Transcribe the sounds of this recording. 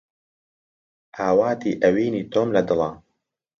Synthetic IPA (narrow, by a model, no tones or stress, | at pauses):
ʔaːwaːt̪iːʔɐwiːniːt̪oːmlɐd̪ɨlɑ